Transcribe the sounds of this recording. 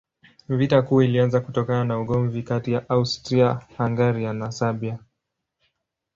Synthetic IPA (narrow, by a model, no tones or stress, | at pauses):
vitakuːilianzakutɔkananauɠɔɱvikatijaʔaustɾiahaŋɡaɾianasaɓia